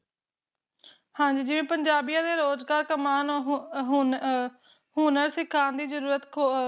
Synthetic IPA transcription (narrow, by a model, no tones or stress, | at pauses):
hãːɲd͡ʒiːd͡ʒɪʋẽːpəɲd͡ʒaːbijãːd̪eːɾoːzɡaːɾkəmaːnɦ | ɦuːnəɾsɪkʰːaːnd̪iːzəɾuːɾət̪kʰo